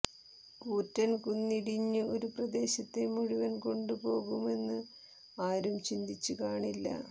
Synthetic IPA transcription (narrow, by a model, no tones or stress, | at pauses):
kuːtːɐnkunːiɽiɲːɨo̞ɾuprɐd̪e̞ːɕɐt̪ːe̞muɻiʋɐnko̞ɳɖupo̞ːɣume̞nːɨ | aːɾumt͡ɕind̪it͡ɕːukaːɳilːɐ̰